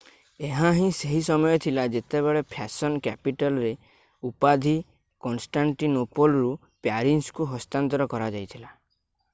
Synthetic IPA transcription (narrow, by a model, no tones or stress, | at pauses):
eɦãɦĩseɦisɔmɔjɔt̪ʰilad͡ʒet̪ebeɭepʰasɔnkɛpiʈalɔɾe | upad̪ʱi | kɔnsʈaɳʈinopolɾu | pjaɾinskuɦɔst̪ant̪ɔɾɔkɔɾad͡ʒajt̪ʰila